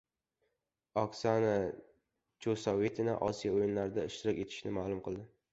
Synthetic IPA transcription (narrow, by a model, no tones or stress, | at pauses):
ɒksana | t͡ʃʰosawet̪ʰɪna̰ʔɒsijaojɪnlaɾɪd̪aɪʃt̪ɪɾɪkʲe̞t̪ʰɪ̥ʃnɪmaːlˠʊmqʰɨlˠd̪ɪ